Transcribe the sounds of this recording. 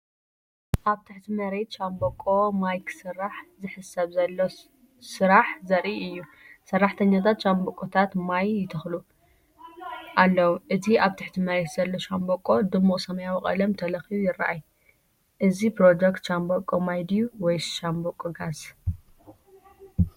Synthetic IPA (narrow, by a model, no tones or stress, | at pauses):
ʔaβt̪ʰɨħt̪ʰimɐɾe̞t̪ʃambokʼːo̞majksɨrːaħzɨħɨsɐβzɐlːo | sɨɾaħzɐɾʔiɨjːu | sɐrːaħt̪ʰɐɲːat̪ʰat̪ʃambokʼot̪ʰat̪majːɪt̪ʰɨxlu | ʔalːɐwuʔɨt̪ʰiʔaβt̪ʰɨħt̪ʰimɐɾe̞t̪z̥ɐlːo̞ʃambokʼːo̞d̪ɨmːuχʼsɐmɐjawikʼɐ̰lɐmt̪ʰɐlɐxiβujɪrːa̰ʔaj | ʔɨzipɾod͡ʒ̪ekt̪ʃambokʼːomajd̪juwɔjʃambokʼːoɡas